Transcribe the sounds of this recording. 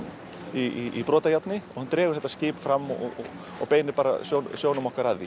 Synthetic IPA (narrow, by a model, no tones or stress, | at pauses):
iiipɾɔːt̪ajat̪nɪɔɣhant̪ɾɛːɣʏ̥θɛt̪ascɪːpfɾamːɔ | ɔ̰ɣpeːjnɪɾpaːɾa̰sjownsjoːwnʏmɔhkaɾaððḭ